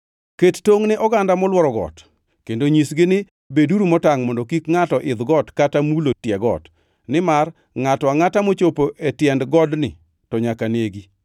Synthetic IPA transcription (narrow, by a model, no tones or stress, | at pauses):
kettoŋnɪʔɔɡandamɔlwɔɾɔɡɔ̰t | kendoɲisɡɪnɪ | beduɾumɔtaŋmɔndokikŋatɔʔɪd̪ɡɔtkatamulotjɛɡɔ̰t | nɪmar | ŋatɔaŋatamot͡ʃopoʔetjɛndɡɔdnɪ̰ | tɔɲakaneɡi